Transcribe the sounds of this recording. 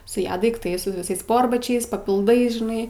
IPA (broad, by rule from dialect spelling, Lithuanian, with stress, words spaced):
sʊ ˈjɛ dɐɪkˈtɐɪs sʊ ʋʲɪˈsɐɪs ˈspoːrbɐt͡ʃʲɛɪs pɐpʲɪlˠˈdɐɪs ʒʲɪˈnɐɪ